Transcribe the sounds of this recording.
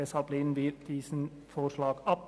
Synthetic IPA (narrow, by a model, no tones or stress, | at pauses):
ɛshɑlpliːn̩ʋiːɾd̪̥iːsn̩ | foːɾʂlɑːɡ̥ɑp̚